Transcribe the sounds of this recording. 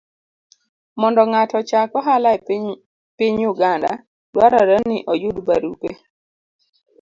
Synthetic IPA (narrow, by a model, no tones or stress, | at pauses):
mɔndɔŋatɔt͡ʃakɔɦala | piɲuɡanda̰ | dwaɾaɾənːɪʔɔjudba̰ɾupe